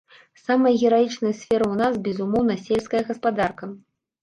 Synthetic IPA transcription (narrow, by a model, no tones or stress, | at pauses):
samɐjɐɣʲɛɾajit͡ʂnɐjɐsʲfʲɛɾɨunasbʲɛzumɔwnɐsʲelʲskɐjɐɣɐspad̪arkɐ